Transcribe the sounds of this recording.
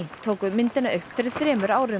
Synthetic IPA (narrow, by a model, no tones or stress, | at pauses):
t̪ʰoːwkʏmɪnt̪ɪnaʔʏhpfɪɾɪɾ̥θɾɛːmʏɾaːwɾɪ